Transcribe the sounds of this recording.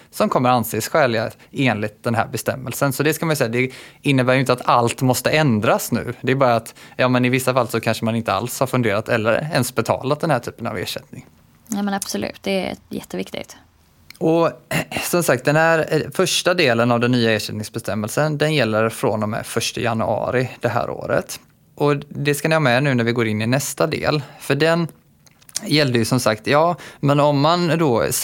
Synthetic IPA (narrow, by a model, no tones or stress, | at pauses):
sɔmkʰɔmːəɾanseːsɧɛːlɪa | eːnlɪt̪̚d̪ɛnɦæ̰ːɾbɛst̪ɛmːɛlsənsɔd̪ɛskamanjʏsɛjːad̪ɛɪnːəbæːɾjʏʏɪnt̪at̪alt̪mɔst̪əɛnd̪ɾasnʉ̟̰ːd̪ɛːɾbɑːɾaːt̪jɑːmɛnɪvɪsːafalsɔkʰanʂəmanɪnt̪əa̰lshaɾfɵnd̪eːɾat̪ʰɛlːə̰ɾɛ̰nsbɛt̪ʰɑ̰ːlat̪̚d̪ɛnhæːʈʰyːpəna̰vḛːʂɛt̪nɪŋ | nɛmɛnab̥sɔlʉ̰ːt̪̚d̪ɛ̰ɛ̰t̪jɛ̰t̪ːəvɪkt̪ɪ̰ɡt̪ | ɔ | sɔmsak̚t̪̚d̪ɛnhæɾfœʂʈad̪eːlənavd̪ɛnːyːaeːʂɛt̪nɪŋsbɛst̪ʰɛmːɛlsənd̪ɛnjɛlːəɾfɾɔnd̪ɔmhæ̰fœʂʈəjanɵɑ̰ːɾɪd̪̥ɛɦæ̰ːɾʔo̰ːɾə̰t̪ | ʔɔd̪ɛskanɪhɑːmɛnʉ̟ːnæɾvɪɡoːɾɪnːɪnɛst̪ad̪ḛːlfœɖɛn | jɛld̪əjɵsɔmsakt̪jɑːmɛnɔmːand̪ɔ